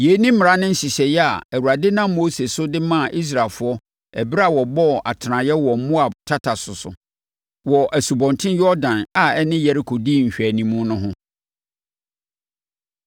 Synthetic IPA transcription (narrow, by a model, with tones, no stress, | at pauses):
je˨˦nĩ˦m̩ɪ̃˨ã˦nɪ̃˦n̩˦ɕi˨ɕɛ˨jɛ˦a̰˨æ˨wu˨ɾa˨dɪ˦nã˦mːo˦se˨sʊ˦dɪ˦mã˦˨ʔi˦s̬ɾa˨lfʊ˨˦ɔ˦ | ɛ˨bɪ˦ɾa˨wɔ˨bɔ˦˨ʔa˨tʰɪ˨nã˨jɛ˦wɔ˨m̩˦mʊ̃˦a˨tʰa˦tʰa˨sʊ˨sʊ̰˨ | wɔ˨ʔæ˨su˨bɔ̃˨ntʰɪ̃˦njɔ˦dã˨na˨ɛ˦nɪ̃˦jɛ˨ɾi˦kʰo˨diː˦˨ɲ̩˨ɕᶣæ˨nĩ˨mũ˦nʊ̃˦ɦʊ̃˦